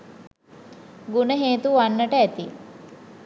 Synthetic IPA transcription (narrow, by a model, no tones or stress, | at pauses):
ɡunəɦeːt̪uʋanːəʈəæt̪i